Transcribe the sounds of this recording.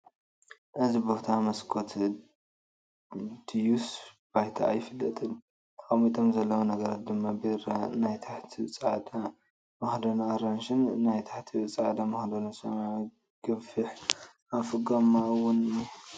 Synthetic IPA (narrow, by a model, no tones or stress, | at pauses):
ʔɨzibot̪ʰamɐskʰot̪ʰ | d̪̥ijus | b̥ajt̪ʰa̰ːjɪfɨlːɐt̪ʼɨn | t̪ʰkʼɐmit̪ʰo̞mzɐlːɐwunɐɡɐɾat̪̚d̪ɨmːabeɾanajt̪ʰaħt̪ʰit͡sʼʕad̪a | mɐhd̪onaːɾanʃɨnnːajt̪ʰḁħt̪ʰiɨt͡sʼʕad̪amɐhd̪onɐsɐma | ɡ̥ɨfɨħ | afɨɡamːaɨwʊn